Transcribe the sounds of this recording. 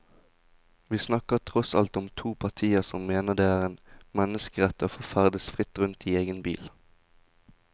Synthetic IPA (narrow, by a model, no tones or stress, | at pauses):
ʋiːsnɑkəʁt̪ʰʁɔsɑ̰lt̪ɔmt̪ʰuːpʰɑʁt̪ʰiːəʁsɔmmeːnəd̪eːæːʁeːnmɛnəskəʁɛt̪əoːfoːfæʁd̪əsfʁɪt̪ʁʉnt̪iːeːɡənbḭːl